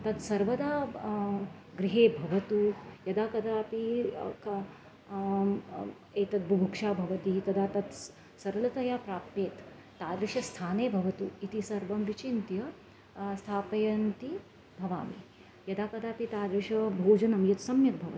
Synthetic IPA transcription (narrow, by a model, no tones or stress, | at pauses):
t̪ɐt̪sɐɾʋɐd̪aː | ɡɾɪɦeːbʱɐʋɐt̪ujɐd̪aːkɐd̪aːpik | eːt̪ɐt̪̚bʱubʱukʂaːbʱɐʋɐt̪it̪ɐd̪aːt̪ɐt̪ | sɐɾɐlɐt̪ɐjaːpɾaːpjeːt̪ː | aːd̪ɾɪʂɐst̪ʰaːneːbʱɐʋɐt̪uit̪isɐɾʋɐmʋit͡ʃint̪jɐ | st̪ʰaːpɐjɐnt̪i | bʱɐʋa̰ːmḭ | jɐd̪aːkɐd̪aːpit̪aːd̪ɾɪʂɐbʱoːd͡ʒɐnɐmjɐt̪sɐmjɐk̚bʱɐʋɐt̪